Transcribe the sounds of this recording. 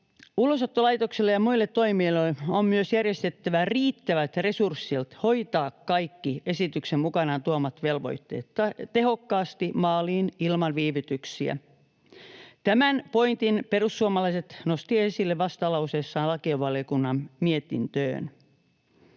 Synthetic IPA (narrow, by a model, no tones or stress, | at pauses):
ulosot̪ːolɑjt̪okselːejɑmuilːet̪to̞imiːloeommyøsjærjest̪et̪ːæʋæriːt̪ːæʋæt̪re̞sursːilt̪ho̞jt̪ɑːkːɑjkːie̞sit̪yksemmukɑnɑːnt̪uomɑt̪ʋe̞lʋo̞̰jt̪ːe̞̰ːt̪ːɑt̪e̞ɦokːɑːst̪imɑːliːnilmɑnʋiːʋyt̪yksiæ̰ | t̪æmænpo̞jnt̪inpe̞rusːuomɑlɑiset̪nost̪iesilːeʋɑst̪ɑlɑuseːsːɑːnlɑkioʋɑljokunːɑmmiet̪ḭnt̪ø̰ːn